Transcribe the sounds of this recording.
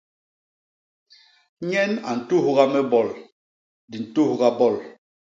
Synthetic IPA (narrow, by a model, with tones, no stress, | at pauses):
ɲɛ˦na̰˨n̩˨tu˦hɣa˦mɛ˦bɔ˨l | di˨n̩˨tu˦˨hɡa˦bɔ˦˨l